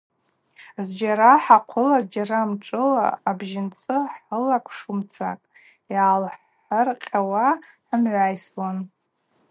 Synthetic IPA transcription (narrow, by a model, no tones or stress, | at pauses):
zd͡ʒaɾaħaqʷʰʊlazd͡ʒaɾamʈ͡ʂʼɨla̰ːbʒɪnt͡sʼɨħəlakʷʼʰʂumt͡sʰa̰kʼ | jaːlħ | arqʲʼawa | ħəmʕʷaːjswan